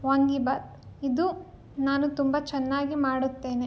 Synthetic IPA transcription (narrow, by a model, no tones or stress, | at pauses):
ʋɐŋɡibaːt̪ | id̪u | naːnut̪umbɐt͡ʃɛnːaːɡimaːɽut̪ːe̞ːne